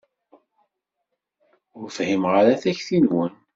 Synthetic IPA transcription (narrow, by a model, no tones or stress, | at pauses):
ʊɾfhimʁaɾaθæçθinwən